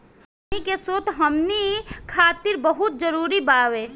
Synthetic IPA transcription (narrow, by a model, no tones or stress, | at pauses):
nikesoːt̪ɦɐmnikʰaːt̪ɪɾbɐɦʊt̪̚d͡ʒəɾuːɾibaːʋeː